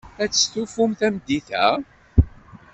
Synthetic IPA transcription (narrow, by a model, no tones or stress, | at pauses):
æt͡sːə̥sθufumθæmd̪iθæ̰